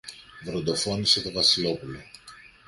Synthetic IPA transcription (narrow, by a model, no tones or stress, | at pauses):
vɾond̪o̞fo̞nise̞t̪ovɐsilo̞pulo